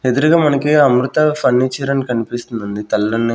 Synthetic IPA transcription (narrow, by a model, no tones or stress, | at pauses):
ed̪uɾuɡaːmɐnɐkiɐmɾut̪ɐpʰɐnːit͡ʃːɐɾɐnkɐnipist̪und̪und̪it̪ɐlːɐnːi